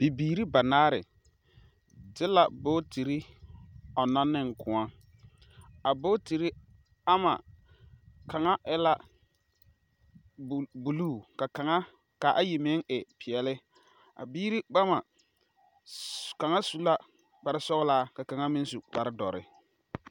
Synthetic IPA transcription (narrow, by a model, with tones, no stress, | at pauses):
b̥i˨biː˨ɾi˦ba˨naː˦ɾɪ˨ | dɪ˦la˨boː˦ti˨ɾi˦ | ɔ˨na˦nːɪ˦ŋkʊ˨˦a˦ | a˨bo˦ti˨ɾi˦ | a˦ma̰˨ | ka˨ŋa˦ʔɪ˦la˦˨ | bu˨luː˦˨ka˨ka˨ŋa˦ | ka˨ʔa˦ji˨mɪ˦ŋɪ˨pɪ˨ɛ˨lɪ˦ | a̰˨biː˦ɾi˦ba˦ma˨ | ka˨ŋa˦su˦la˦ | k͡pa˨ɾɪ˦sɔ˦ɣɪ˦laː˦ka˨ka˨ŋa˦mɪ˦n˦su˨k͡pa˨ɾɪ˦dɔ˨ɾɪ̰˨